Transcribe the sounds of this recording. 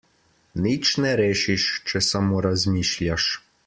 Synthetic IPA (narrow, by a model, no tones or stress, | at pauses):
nit͡ʃnɛɾɛʃɪʃt͡ʃɪsɐmɔɾɐzʲmʲiʃlʲaʃ